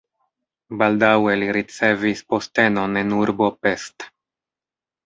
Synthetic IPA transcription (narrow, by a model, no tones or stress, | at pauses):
baldaweliɾit͡sevispo̞ste̞no̞nenuɾbo̞pest̪